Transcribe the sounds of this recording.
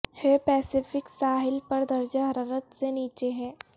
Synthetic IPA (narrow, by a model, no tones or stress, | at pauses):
hepɛːsɪfɪksaːɦɪlpɐɾd̪ɐɾd͡ʒaɦɐɾaːɾət̪seniːt͡ʃeɦɛ̃ː